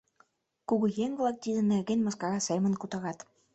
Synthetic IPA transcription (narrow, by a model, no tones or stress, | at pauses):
kuɣujeŋvlˠɑk̚t̪id̪ɘ̆nerɣenʲmɑskɑɣɑsemə̆nkut̪ɑɣɑt̪